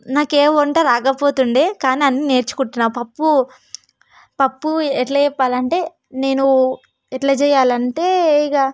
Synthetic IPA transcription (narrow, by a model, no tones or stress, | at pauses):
naːkeːʋoɳʈɐːɾaːkɐpo̞ːt̪uɳɖeːkaːniɐnːine̞ːɾt͡ʃu̥kuʈːinːaːpɐpːu | pɐpːuɛʈlɐjɛpːaːlɐɳʈe̞ː | ne̞ːnu | ɛʈlɐt͡ʃɛːjaːlɐɳʈe̞ːɡaː